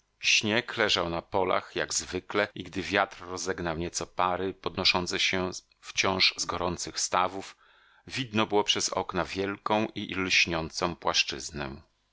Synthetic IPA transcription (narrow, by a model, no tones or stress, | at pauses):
ɕɲɛklɛʐawnapɔla̰xja̰ɡzvɘklɛiɡd̪ɘvʲjat̪ɾːɔzɛɡnawɲɛt̪sɔpaɾɘpɔd̪nɔʂɔnt̪sɛɕɛ | ft͡ɕɔ̃w̃ʐzɡɔɾɔnt̪sɘxst̪avuf | vʲid̪nɔbɘwɔpʂɛzɔ̰knavʲjɛlkɔ̃w̃ʔilɕɲɔnt̪sɔ̃w̃pwaʂt͡ʂɘ̰znɛ